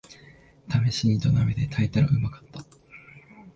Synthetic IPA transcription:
t̪ʰame̞ɕiɲ̟it̪o̞named̪et̪ʰait̪aɾa̰ɯ̟makḁt̪ːḁ

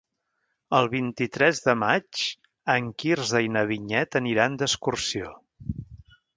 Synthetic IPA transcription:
əlˠβint̪it̪ɾɛzðəmat͡ʃ | əŋkirzðəjnəβiɲɛt̪əniɾand̪əskursio

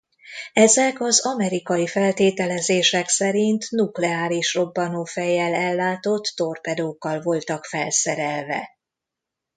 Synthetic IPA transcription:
ɛzɛkɒzɒmɛɾikɒjifɛlt̪eːt̪ɛlɛzeːʃɛksɛɾint̪nuklɛaːɾiʃro̞bːɒnoːfɛjɛlɛlːaːt̪o̞t̪ːo̞rpɛd̪oːkːɒlvo̞lt̪ɒkfɛlsɛɾɛlvɛ̰

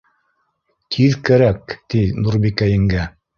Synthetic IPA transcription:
t̪ʰiðkæɾækt̪inuɾbikæjɘ̆ŋɡæ

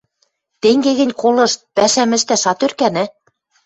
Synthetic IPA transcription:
t̪eŋɡeɣɘ̆nʲkolɤ̆ʃt̪̚pæʃæmɘ̆ʃt̪æʃɑt̪ørkænæ

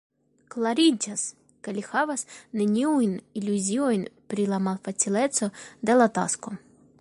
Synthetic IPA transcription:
klaɾʲid͡ʒas | kelʲixavasnenʲiujnilʲuzʲiojnpɾilamalfat͡sileso̞d̪e̞lat̪a̰sko̞

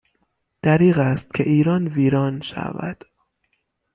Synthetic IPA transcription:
d̪̥æɾiːɣæst̪̚cʲʰeʔiːɾɒːnviːɾɒːnʃæ̰væ̰d̪̥

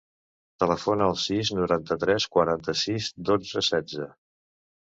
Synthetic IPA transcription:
t̪ələfonəːlˠsiznuɾant̪ət̪ɾɛskwəɾant̪əsizd̪od͡zəsɛd͡zə

